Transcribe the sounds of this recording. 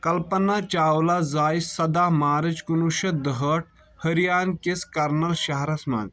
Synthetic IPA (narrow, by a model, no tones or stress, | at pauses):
kɐlpɐnaːt͡ʃaːwlaːzaːisɐd̪aːmaːɾɐt͡ʃkunuʃɐd̪əɦəʈ̚ | hɐɾijaːnkeskɐɾnɐlʃɐɦɾɐsmɐ̰